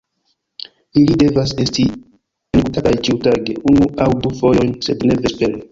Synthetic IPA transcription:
ilide̞vase̞sti | enkutatajt͡ʃiutaɡe̞ʔunuawdufo̞jo̞jnse̞dne̞vespe̞ɾe

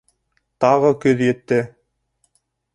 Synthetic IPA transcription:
t̪ɑʁɤkɵðjĕt̪ːɘ

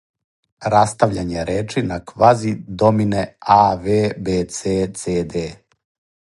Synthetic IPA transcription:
ɾast̪aʋʎaɲeɾeːt͡ʃinakʋazid̪omineaʋeːbeːt̪set̪sed̪e

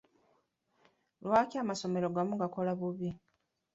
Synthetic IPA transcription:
lwaːciaːmaso̞me̞ɾo̞ɡamuɡako̞laβuβi

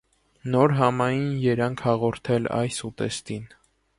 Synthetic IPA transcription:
nɔɾɦɑmɑjinjɛɾɑŋkʰhɑʁɔɾt̪ʰɛlɑ̰jsut̪ɛ̰st̪in

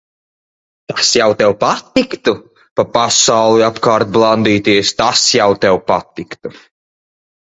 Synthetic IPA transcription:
t̪asjawt̪ɛwpat̪ikt̪u | papasawlˠiapkaːɾt̪̚blˠand̪iːt̪iɛst̪asjawt̪ɛwpat̪ikt̪u

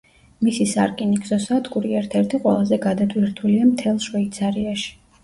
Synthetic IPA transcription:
misisa̰ɾkʼinikzɔsad̪ɡʼuɾiɛɾt̪ʰɛɾt̪ʰiqʼwɛ̰lˠazɛɡad̪at̪ʼwiɾt̪ʰuliamt̪ʰɛlˠʃvɛit̪sʰaɾiaʃi̥

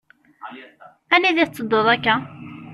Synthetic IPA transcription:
æniðit͡sːəd̪ːoðˤækːæ

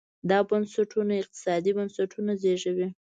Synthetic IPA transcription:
d̪ɑbansaʈʰunaɪq̚t̪ɪ̥sɑd̪ibansaʈʰunazeʒəwi

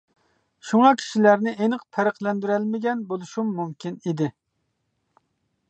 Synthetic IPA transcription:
ʃuŋɑkʲʰi̥ʃilæɾnɪʔenɨqpʰæɾəqlˠɛnd̪yɾɛlmɪɡʲɛnbolˠuʃumːumkʲinid̪ɪ

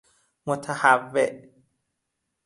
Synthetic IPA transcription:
mot̪ʰahavːeʔ

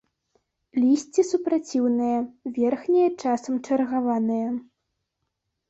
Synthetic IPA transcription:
lʲisʲt͡sʲisupɾat͡sʲiwnɨjɐvʲɛrxnʲijɐt͡ʂasɐmt͡ʂɐrɣavanɨjɐ

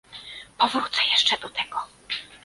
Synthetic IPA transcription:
pɔvɾut̪sɛjɛʂt͡ʂɛd̪ɔt̪ʰɛɡ̥ɔ

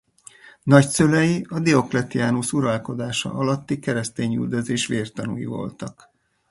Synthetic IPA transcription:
nɒcsølɛjiɒd̪io̞klɛt̪iaːnusuɾɒlko̞d̪aːʃɒ̰ʔɒlɒt̪ːikɛɾɛst̪eːɲy̰ld̪ø̞zeːʃʋeːrt̪ɒnṵjḭvo̞̰lt̪ɒk

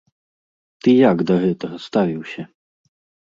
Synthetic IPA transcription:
t̪ɨjaɡd̪ɐɣɛt̪ɐɣɐst̪avʲiwsʲɐ

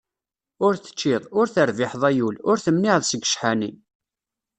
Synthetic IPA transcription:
ʊɾθə̥t͡ʃːɪðˤʊɾθəɾvɪħðˤæjulʊɾθəmnɪʕðˤsəɡəʃħani

